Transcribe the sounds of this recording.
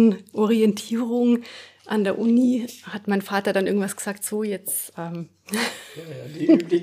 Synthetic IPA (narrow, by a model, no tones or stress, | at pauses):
nʔɔʁiɛntʰiːʁʊŋʔandeːɐʔʊnihatmaɪnfaːtɐdanʔɪɐɡŋ̩tv̥asɡ̥əz̥aːktz̥oːjɛt͡sʔɛːm